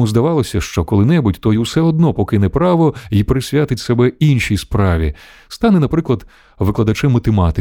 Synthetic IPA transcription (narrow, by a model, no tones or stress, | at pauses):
uzd̪ɐʋɑlˠɔsʲɐʃt͡ʃɔkɔlˠɪnɛbʊtʲt̪ɔjuwsɛɔd̪̚nɔpɔkɪnɛpɾɑʋɔipɾɪsʲʋʲjat̪ɪtʲsebɛinʃʲijspɾɑʋʲḭ | st̪ɑnɛnɐpɾɪklˠɐd̪ | ʋɪklˠɐd̪ɐt͡ʃɛmːɐt̪emɑt̪ɪ